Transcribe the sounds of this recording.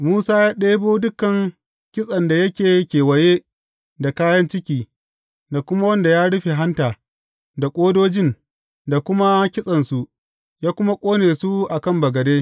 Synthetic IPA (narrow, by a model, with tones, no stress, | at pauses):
muː˦saː˦jaː˦ɗeː˦boː˦dʊ˦kɐ˨ŋ | kʲɪ˦sʼɐ˨nda˨jɐ˦kʲeː˨kʲeː˨wɐ˨jeː˦ | da˨kaː˦jɐ˦nt͡ʃɪ˦kʲiː˨ | da˨kʷʊ˦ma˦wɐ˦nda˨jaː˦ɽʊ˦ɸe˨ɦa˦ntaː˨ | da˨kʷʼoː˦doː˦d͡ʒɪ˦˨n | da˨kʷʊ˦ma˦kʲɪ˦sʼɐ˨nsu˨ | jaː˦kʷʊ˦ma˦kʷʼoː˦neː˨su˦ʔa˨kɐ˦˨mbɐ˨ɡɐ˨deː˦